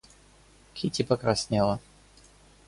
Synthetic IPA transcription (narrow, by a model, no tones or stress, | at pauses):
kʲʰitʲipəkɾasʲnʲelˠə